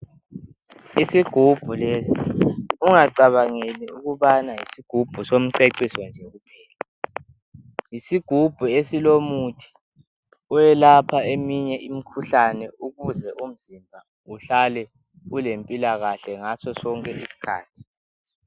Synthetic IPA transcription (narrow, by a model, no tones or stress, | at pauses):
isiɡ̥ʱub̥ʱulesiuŋaǀaβaŋeniuɣuβanajisiɡ̥ʱub̥ʱusom̩ǀeǀisɔnd͡ʒʱɛɣupʰɛːla | jisiɡ̥ʱub̥ʱuesilomutʰi̥ | ɔjɛlapʰaemiɲɛʔimikʰuɬanɛuɣuzɛʔum̩zimbʱa | uɬalɛ | ulempʼilaɣaɬɛŋasɔsɔŋkʼɛʔisi̥kʰa̰ːtʰi̥